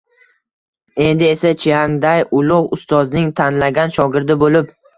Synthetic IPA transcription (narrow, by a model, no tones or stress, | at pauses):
e̞nd̪ɪesat͡ʃʰijaŋd̪ajʊlˠʊʁʊst̪ɒznɪŋt̪ʰanlaɡʲanʃɒɡʲɪɾd̪ɪbolɪp